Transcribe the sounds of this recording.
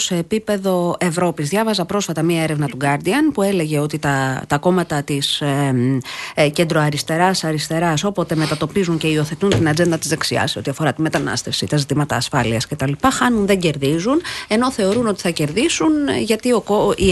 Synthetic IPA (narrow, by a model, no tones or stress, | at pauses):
se̞ːpipe̞ðo̞e̞vɾo̞pizðʝɐvɐzɐpɾo̞sfɐt̪ɐmiɐeɾevnɐt̪uɡɐɾd̪iɐnpue̞le̞ʝe̞ot̪it̪ɐt̪ɐko̞mɐt̪ɐt̪is | ce̞nd̪ɾoɐɾist̪e̞ɾɐsɐɾist̪e̞ɾɐso̞po̞t̪e̞me̞t̪ɐt̪o̞pizuɲce̞io̞θe̞t̪unt̪inɐd͡ze̞nd̪ɐt̪izðeksiɐ̰seo̞t̪iɐfo̞ɾɐt̪ime̞t̪ɐnɐ̰st̪e̞fsḭt̪ɐzit̪imɐt̪ɐ̰ːsfɐliɐsce̞t̪ɐlipɐxɐnunðe̞ɲɟe̞ɾðizune̞no̞θe̞o̞ɾuno̞t̪i̥θɐce̞ɾðisunʝɐt̪iokoi